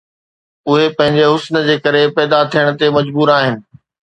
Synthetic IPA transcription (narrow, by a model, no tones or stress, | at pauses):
ʊɦepɐ̃ɦɪ̃ɲd͡ʑeɦʊsnə̆d͡ʑeːkɐɾepɛːd̪at̪ʰijəɽ̃ə̆t̪emɐd͡ʑbuːɾaːɦɪnɪ̆